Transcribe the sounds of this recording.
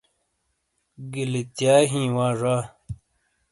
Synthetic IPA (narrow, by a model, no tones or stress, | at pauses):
ɡilit̪jaːɦĩːwaːʐaː